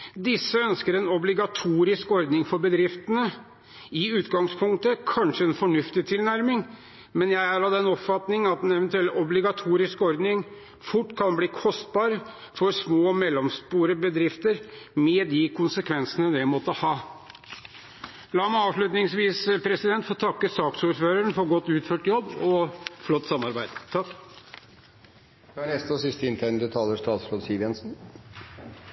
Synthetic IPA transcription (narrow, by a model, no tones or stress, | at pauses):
d̪ɪsːəœnskəɾɛnɔblɪɡɑt̪ʰuːɾɪskɔɾd̪nɪŋfɔɾbəd̪ɾɪft̪ənə | ɪʉːt̪ɡɑŋspʰʊŋkt̪əkʰɑnʂəɛnfɔɳʉft̪ɪt̪ʰɪlnæɾmɪŋ | mɛnjæɪæɾɑd̪ɛnɔpfɑt̪nɪŋənɑt̪̚d̪ɛnɛʋɛnt̪ʉɛlɔblɪɡɑt̪ʰuːɾɪskɔɾd̪nɪŋ | fʊʈːkʰɑnbliːkʰɔst̪̚bɑːɾə | fɔɾsmoːɔmɛlːɔmspuːɾəbəd̪ɾɪft̪əɾmɛd̪ɪkʰʊnsəkʰʋɛnsənəd̪ɛmɔt̪ːəhɑː | lɑːmæɑːʋʂɭʉt̪nɪŋsʋiːspʰɾɛsɪd̪ɛnt̪fɔt̪ʰɑkːəsɑːksuːɾføːɾəɳfɔɾɡɔt̪ːʉːt̪føːʈjɔbːɔflɔt̪ːsɑmːɑɾbæɪd̪̥t̪ʰɑ | d̪æɳɛst̪əɔsɪst̪əɪnt̪ʰɛnəd̪ət̪ʰɑːləʂt̪ɑːt̪sɾoːd̪siːʋɛnsn